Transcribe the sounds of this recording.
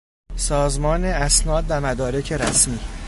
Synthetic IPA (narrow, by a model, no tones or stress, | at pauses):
sɒːzmɒːneæsnɒːd̪̚ːæɾmæd̪ɒːɾe̞cʰe̞ɾæsmiː